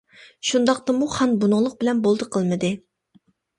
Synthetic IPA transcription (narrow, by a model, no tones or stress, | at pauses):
ʃund̪ɑq̚t̪ɑmuχɑnbunʊʁlˠəq̚bɪlɛnbolˠd̪ɨqʰəlˠmɨd̪ɨ